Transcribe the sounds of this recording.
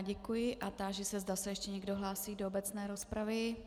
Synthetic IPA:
ɟɛkujɪʔat̪aːʒɛsɛzdasɛjɛʃcɛɲɛɡdo̞ɦlaːsiːdoobɛt͡snɛːɾospɾavɪ

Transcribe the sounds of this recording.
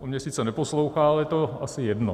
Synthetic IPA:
omɲɛsiːt͡sɛnɛpo̞slowxaːlɛjɛt̪oasɪjɛdno

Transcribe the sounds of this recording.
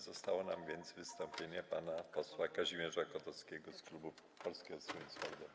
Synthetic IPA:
zɔst̪awɔnamvʲjɛnd̪zvɘst̪ɔmpʲjeɲɛpanapɔswakaʑimʲjɛʐakɔt̪ɔskʲɛɡɔsklubu | pɔlskʲɛɦɔsuisfɔld̪ɔ

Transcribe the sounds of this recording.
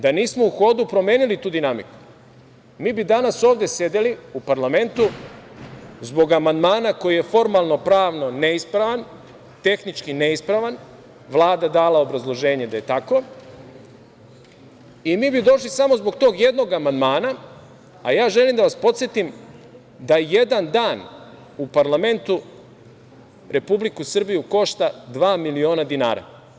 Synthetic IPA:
d̪aniːsmo̞uxo̞ːd̪upɾo̞mjeːnilit̪uːd̪inamiku̥ | miːbid̪anaso̞ːʋd̪e̞sje̞d̪eliupaɾlame̞nt̪u | zbo̞ɡamand̪maːnako̞jije̞fo̞ɾmalˠno̞pɾaːʋno̞ne̞ispɾaʋan | t̪e̞xnit͡ʃkine̞ispɾaʋan | ʋlˠaːd̪ad̪aːlaobɾazlˠo̞ʒe̞ːɲe̞d̪ajet̪ako̞ | imiːbid̪o̞ʃlisamo̞zbo̞ɡt̪o̞ːɡje̞d̪no̞ɡamand̪maːna | a̰jaːʒe̞limd̪aʋaspo̞t̪sjet̪im | d̪ajejed̪and̪aːn | upaɾlame̞nt̪u | ɾe̞publikusr̩bijuko̞ʃt̪ad̪ʋaːmilio̞ːnad̪ina̰ːɾa̰

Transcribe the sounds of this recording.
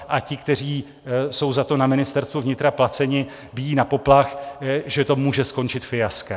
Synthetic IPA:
ʔacɪkt̪ɛr̝iː | so̞wzat̪o̞namɪnɪst̪ɛɾst̪vuvɲɪt̪ɾaplat͡sɛɲɪ | bɪjiːnapo̞plaxʒɛt̪o̞muːʒɛsko̞nt͡ʃɪt̪fɪjaska

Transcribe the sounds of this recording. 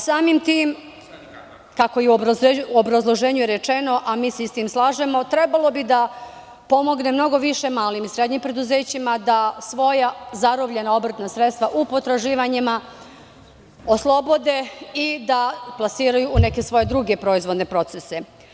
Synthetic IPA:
saːmimt̪iːm | kako̞jiuobɾazlˠo̞ʒeːɲujeɾet͡ʃe̞no̞ʔamiːseist̪iːmslˠaːʒe̞mo̞t̪ɾe̞balˠo̞bid̪a | po̞mo̞ɡnemno̞ɡo̞ʋiʃe̞maːlimisɾe̞d̪ɲimpɾe̞d̪uze̞ːt͡ɕimad̪asʋo̞jazaɾobʎe̞nao̞br̩t̪nasɾe̞t̪st̪ʋaʔupo̞t̪ɾaʒiːʋaɲima | o̞slˠo̞bo̞d̪e̞id̪aplˠasiːɾajuːne̞ke̞sʋo̞je̞d̪ɾuɡe̞pɾo̞izʋod̪ne̞pɾo̞t̪sese̞

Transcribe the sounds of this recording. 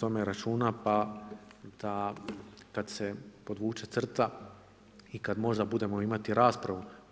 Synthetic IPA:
o̞meɾat͡ʃuːnapa | d̪̥a | kad̪se̞po̞d̪ʋuːt͡ʃe̞t̪r̩t̪a | ikad̪mo̞ʒd̪abud̪e̞mo̞imat̪iɾaːspɾaʋu

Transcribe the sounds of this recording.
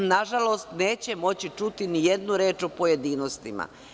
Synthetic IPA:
naʒalo̞st̪ne̞ːt͡ɕemo̞t͡ɕit͡ʃut̪inije̞d̪nuɾe̞ːt͡ʃo̞poje̞d̪iːno̞st̪ima̰

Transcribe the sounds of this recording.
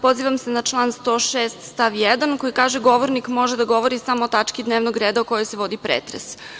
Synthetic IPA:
po̞ziːʋamsenat͡ʃlˠaːnst̪o̞ːʃeːst̪st̪aʋjɛd̪anko̞jikaːʒeɡo̞ʋoɾnikmo̞ʒed̪aɡo̞ʋoɾisamoːt̪at͡ʃkid̪neːʋnoɡɾeːd̪aoko̞jojseʋo̞d̪ipɾḛːt̪ɾḛs

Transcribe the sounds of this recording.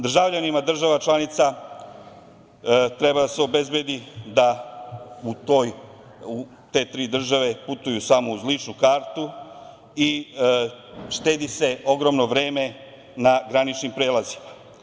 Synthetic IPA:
d̪r̩ʒavʎanimad̪r̩ʒaʋat͡ʃlˠanit̪sa | t̪ɾebad̪aseo̞be̞zbe̞d̪id̪a | ut̪o̞j | u | t̪e̞t̪ɾiːd̪r̩ʒaʋe̞put̪ujusamouzlit͡ʃnukaːɾt̪u | i | ʃt̪e̞ːd̪ise̞o̞ɡɾo̞mno̞ʋɾe̞ːme̞ | naɡɾanit͡ʃnimpɾe̞ːlazi̥ma

